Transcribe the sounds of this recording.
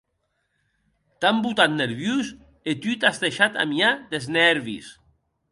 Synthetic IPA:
t̪ambut̪at̪neɾβjus | et̪yt̪azðeʃat̪a̰miad̪eznɛɾβḭs

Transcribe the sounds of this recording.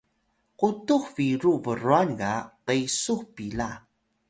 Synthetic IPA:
qutuxviɾuvəruankaqəjsuxpila

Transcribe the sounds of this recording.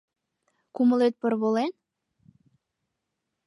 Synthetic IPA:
kuməlet̪̚pərβolen

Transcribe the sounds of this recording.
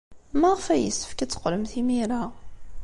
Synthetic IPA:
mæʁfæjə̰sːə̥fkæt͡sːə̥qːləmθimiɾa

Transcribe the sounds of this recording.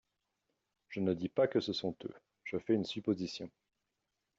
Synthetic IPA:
ʒ̥ənəd̪ipakəsəsɔ̃t̪ø̰ | ʒ̥əfɛynsypozisjɔ̃

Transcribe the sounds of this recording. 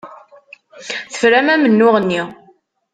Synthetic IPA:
θə̥fɾæmæmənːʊʁənːi

